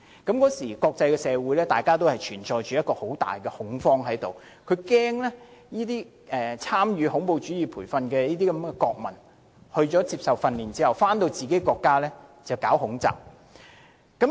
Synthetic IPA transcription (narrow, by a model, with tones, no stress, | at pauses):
kɐ˨˥mkɔː˨˥siː˨˩kɔː˧k̚t͡sɐ˧jkɛː˧sɛː˨˧wuː˨˥jlɛː˥t̪aː˨jkaː˥t̪̬o˥whɐ˨jt͡ʃʰyː˨˩nt͡ʃɔː˧jt͡ʃyː˨jɐ˥t̚kɔː˧ho˨˥wt̪a̰ː˨˩jkɛ˧hʊ˨˥ŋfɔː˥ŋɦɐ˨˥jt̪o˨w | kʰɵ˨˧ɥkɛː˥ŋlɛː˥jiː˥t̪iː˥ | ʔɛː˨t͡sʰaː˥mjyː˨˧hʊ˨˥ŋpo˧wt͡ʃy˨˥jiː˨pʰuː˨˩jfɐ˧nkɛː˧jiː˥t̪̬iː˥kɐ˨˥mkɛ˧kɔː˧k̚mɐ˨˩n | hɵ˧ɥt͡ʃɔː˨˥t͡siː˧psɐ˨wfɐ˧nliː˨˩nt͡siː˥hɐ˨wfaː˥nt̪o˧wt͡siː˨ke˨˥jkɔː˧kːaː˥lɛː˥t͡sɐ˨wkaː˨˥wɦʊ˨˥ŋt͡sa̰ː˨˩p̚ | kɐ˨˥m